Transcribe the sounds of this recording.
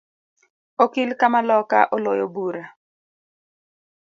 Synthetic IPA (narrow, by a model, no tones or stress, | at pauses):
okilkamalɔka̰ʔɔlojobuɾa